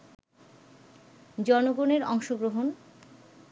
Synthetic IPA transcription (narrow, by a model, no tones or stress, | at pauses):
d͡ʑɔnoɡoneɾɔŋʃoɡɾoɦon